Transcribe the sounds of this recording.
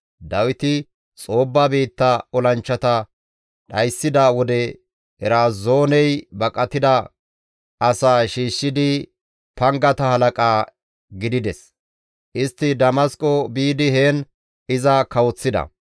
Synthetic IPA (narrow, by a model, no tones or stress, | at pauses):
d̪ɐwɪt̪ɪ | t͡sʼo̞ːbːabiːt̪ːɐɔlɐnt͡ʃːɐt̪ɐ | ɗɐjsːɪd̪ɐwɔd̪ɛ | hɛɾaːzo̞ːnɛjbɐkʼɐt̪ːɪd̪ɐ | ɐsaːʃiːʃːɪd̪ɪ | pɐŋɡɐt̪ɐhɐlɐkʼaː | ɡɪd̪ɪd̪ɛs | ʔɪst̪ːɪd̪ɐmɐskʼɔbiːd̪ɪɦeːn | ɪzɐkɐwɔt͡sːɪd̪ɐ̰